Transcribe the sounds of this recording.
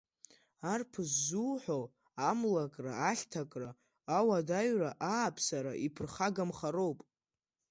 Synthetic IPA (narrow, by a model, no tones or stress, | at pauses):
arpʰɨsːuːħʷo | amlakʼra̰aɬʲtʰakʼraː | wadaɥraʔaːpʰsaɾa̰ʔipʰɨrχaɡamχaro̞wpʼ